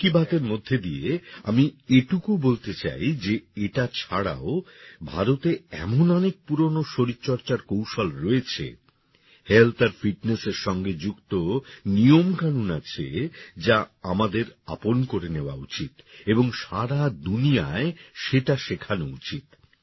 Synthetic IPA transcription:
kibat̪eɾmod̪ʱːed̪iea̰mieʈukubolt̪et͡ɕa̰jd͡ʑeeʈat͡ɕʰaɽa̰obʱa̰ɾot̪eɛ̰monɔnek̚puɾonoʃoɾiːt͡ɕɔɾt͡ɕaɾkowʃɔlɾoet͡ɕʰḛ | helt̪ʰaɾfiʈneseɾʃɔŋɡed͡ʑukt̪onijomkanunat͡ɕʰḛd͡ʑaamad̪eɾa̰ponkoɾeneoa̰ut͡ɕit̪eboŋʃaɽad̪unijaeʃeʈaʃekʰanout͡ɕit̪

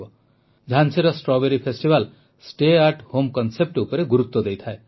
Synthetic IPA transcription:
ɔ | d͡ʒʱanseɾɔsʈɾɔbeɾipʰesʈibal | sʈeaɾʈhomkɔnsep̚ʈupɔɾeɡuɾut̪wɔd̪ejt̪ʰae

